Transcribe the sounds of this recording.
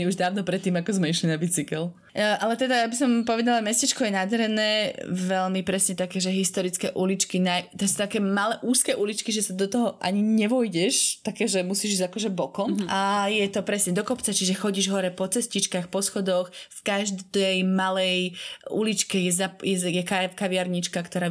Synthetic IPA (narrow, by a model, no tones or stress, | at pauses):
iuʒd̪aːʋnɔpɾɛt̪ːiːmakɔzmɛiʃlinabit͡sikɛl | ʔalɛt̪ɛd̪aabis̬ɔmpɔʋɛd̪alamɛscit͡ʃkɔjɛnad̪ɾɛnɛːʋɛlmipɾɛsɲɛt̪akɛːʒɛɦist̪ɔɾit͡skɛʔulit͡ʃkinajt̪ɛsɔ̥t̪akɛːmalɛːʔuːskɛːʔulit͡ʃkiʒɛsad̪ɔt̪ɔɦɔʔa̰ɲiɲɛʋɔjɟɛʃt̪akɛːʒɛmusiːʒizakɔʒɛbɔkɔmʔajɛt̪ɔpɾɛsɲɛd̪ɔkɔpt͡sat͡ʃiʒɛxɔɟiːʒɦɔɾɛpɔt͡sɛscit͡ʃkaxpɔsxɔd̪ɔxfkaʒd̪d̪ɛjmalɛjṵlit͡ʃkɛjɛzajɛjɛkakaʋɪaɾɲit͡ʃkakt̪ɔɾaː